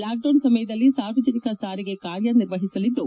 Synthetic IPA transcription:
laːk̚ɖɐnsɐmɐjɐd̪ɐlːisaːɾʋɐd͡ʒɐnikɐsaːɾiɡe̞kaːɾjɐniɾʋɐɦisɐlid̪ːu

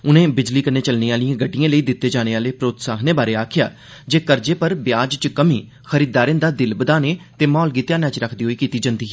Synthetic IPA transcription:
ʊnẽːbɪd͡ʒliːkənːeːt͡ʃəlniːaːlijãːɡəɖːijãːləiːd̪ɪt̪ːeːd͡ʒaːɽ̃eːaːleːpɾoːt̪saːxneːbaːɾeːaːkʰɪja̰ː | d͡ʒeːkəɾd͡ʒeːpəɾbjaːd͡ʒt͡ʃkəmiː | xəɾiːd̪aːɾẽːnd̪aːd̪ɪlbəd̪aːneːt̪eːmɔːlɡiːt̪jãːnɛ̃t͡ʃɾəkʰd̪iːɦoːiːkiːt̪iːd͡ʒãːnd̪iː

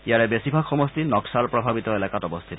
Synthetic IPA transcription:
ijaɹɛbesibʱakxɔmɔst̪inɔksalpɹɔbʱabit̪ɔelakatɔbɔst̪ʰit̪ɔ

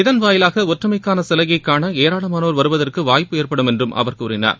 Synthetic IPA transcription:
ɪðɐnʋaːjɪlaːɣɐɔʈrɐmɐɪkːaːnɐsɛlɐɣɐɪkːaːnɐeːɾaːɭɐmaːnoːɾʋɐɾɯʋɐðɐrkɯʋaːjpːɯeːɾpɐɽɯmɛndrɯmʔɐ̰ʋɐrkuːɾɪna̰ːɾ

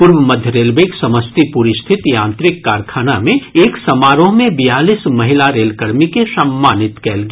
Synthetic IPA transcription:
pʊɾwəmɐd̪ʱjəɾeːlbeksɐməst̪ipuɾɪst̪ʰɪt̪jãːnt̪ɾɪkːaːɾkʰaːnamẽeːksɐmaːɾõmẽbijaːlismɐɦɪlaɾeːlkəɾmikesɐmːaːnɪt̪kɛːlɡ

